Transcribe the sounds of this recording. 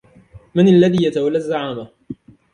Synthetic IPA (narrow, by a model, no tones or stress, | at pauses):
mɪnalːaðiːjat̪awalːazːaʕaːma